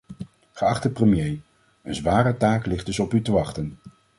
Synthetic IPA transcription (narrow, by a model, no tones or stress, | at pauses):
χəɑχtəprəmjej | ə̰nzʋaːɾətaːklɪχdɵsɔpytəʋɑχtən